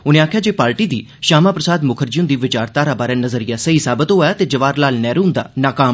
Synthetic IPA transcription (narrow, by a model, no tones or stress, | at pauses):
ʊnẽːaːkʰjaːd͡ʒeːpaːɾʈiːd̪ḭː | ʃaːmãːpɾəsaːd̪mʊkʰəɾd͡ʒiũnd̪iːʋɪt͡ʃaːɾt̪aːɾabaːɾeːnəzəɾɪjaːsəɦiːsaːbət̪oɦjaːt̪eːd͡ʒəʋaːɾlaːlnɛːɾũːnd̪a̰ːnaːkaːm